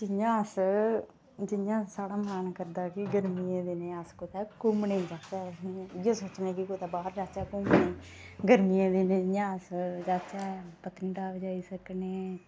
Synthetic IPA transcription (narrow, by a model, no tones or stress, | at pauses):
d͡ʒɪjãːəs | d͡ʒɪjãːsaːɽaːmaːnkəɾd̪aːkɪɡəɾmiːẽːd̪eːneːaskot̪ɛːkʊmnẽd͡ʒaːt͡ʃɛːjẽːsoːt͡ʃnẽːkikoːt̪ɛːbaːɾd͡ʒaːt͡ʃɛːkʊmnẽːɡəɾmijẽːd̪eːnẽːd͡ʒɪjãːəsd͡ʒaːt͡ʃɛːpət̪ənɖaːʋd͡ʒaːiːsəkneː